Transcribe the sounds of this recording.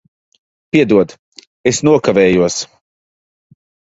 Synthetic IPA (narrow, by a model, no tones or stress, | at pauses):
pʲiɛd̪uɔd̪ | esnuɔkavɛːjuɔs